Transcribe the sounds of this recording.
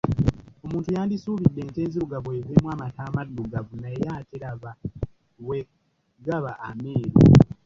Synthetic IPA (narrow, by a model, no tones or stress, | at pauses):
o̞muːntujaːndisuːβidːe̞ːnte̞ːnziɾuɡaβwe̞ːveːmwaːmataːmadːuɡavunaejaːteɾaβa | we | ɡaβaʔːmeːɾo̰